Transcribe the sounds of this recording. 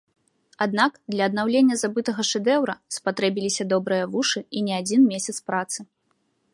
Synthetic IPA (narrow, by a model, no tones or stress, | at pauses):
ad̪nakd̪lʲɐɐd̪̚nawlʲenʲːɐzabɨt̪ɐɣɐʂɛd̪ɛwɾɐspat̪ɾɛbʲilʲisʲɐd̪ɔbɾɨjɐvuʂɨinʲɛad͡zʲinmʲesʲɐt̪spɾat̪sɨ